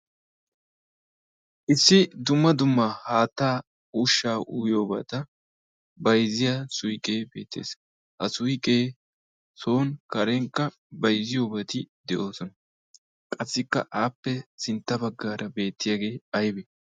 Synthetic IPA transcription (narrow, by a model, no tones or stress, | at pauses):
ʔɪsːɪd̪ʊmːɐd̪ʊmːɐhaːt̪ːaː | uʃːaːʔuːjo̞ːba̰ːt̪ɐ | bɐjzɪjasʊjkʼe̞ːbe̞̰ːt̪ːḛːs | hɐsʊjkʼeː | so̞ːnkɐɾɛŋkːɐ | bɐjzɪjo̞ːbɐt̪ɪd̪ɛʔo̞ːsɔnɐ | kʼɐsːɪkːɐ̰ʔaːpːɛsɪnt̪ːɐbɐɡːaːɾʔɐbe̞ːt̪ːɪjaːɡe̞ːɐjbɛ